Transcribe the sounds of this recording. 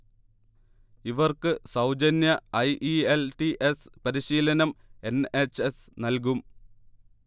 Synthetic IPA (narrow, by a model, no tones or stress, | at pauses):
iʋɐrkɨsɐwd͡ʑɐnjɐɐjʔielʈiʔespɐɾiɕiːlɐnɐme̞ne̞t͡ɕːes | nɐlk̬um